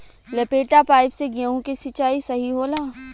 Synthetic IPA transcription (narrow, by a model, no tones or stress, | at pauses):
lɐpeːʈapaːɪpseɡaõkisɪt͡ʃaːisɐɦiɦoːlaː